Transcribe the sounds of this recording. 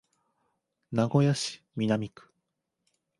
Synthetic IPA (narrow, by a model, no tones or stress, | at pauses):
naɡo̞jaɕi̥ | mʲinamʲikɯ̥